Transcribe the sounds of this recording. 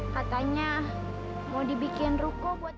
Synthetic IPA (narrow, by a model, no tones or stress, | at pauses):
kat̪aɲa | modibikɪnrukɔbuat̪̚